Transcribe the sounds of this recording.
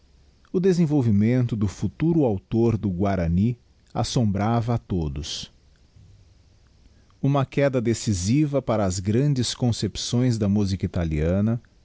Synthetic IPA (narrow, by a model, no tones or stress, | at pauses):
ʊd̪ezẽvowvimẽnt̪ʊd̪ʊfut̪uɾʊawt̪oɾd̪ʊɡwaɾɐni | a̰sõbɾavɐːt̪od̪ʊs | ũmɐkɛd̪ɐd̪esizivɐpaɾɐːzɡɾɐ̃d͡ʒɪskõsepsõj̃zd̪ɐmuzikɐit̪aliɐ̃nɐ